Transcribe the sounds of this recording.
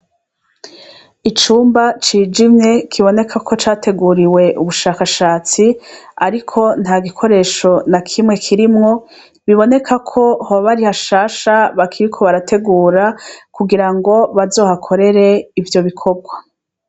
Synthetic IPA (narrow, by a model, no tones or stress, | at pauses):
it͡ʃuːmbat͡ʃiːd͡ʒimɲe̞kʰiβo̞ne̞kʰakʰo̞t͡ʃaːte̞ɡuːɾiwe̞ʔuβuʃaːkaʃaːt͡siaɾikʰo̞n̥haːɡikʰo̞ɾe̞ːʃo̞nakʰimŋe̞kʰiɾimŋo̞ | βiβo̞ne̞kʰakʰo̞hoβaβaɾihaʃaːʃaβakʰiɾikʰo̞βaɾatʰe̞ɡuːɾakuɡiɾaŋɡo̞βazo̞ːhakʰo̞ɾe̞ɾe̞ivjo̞βikʰo̞bɡwa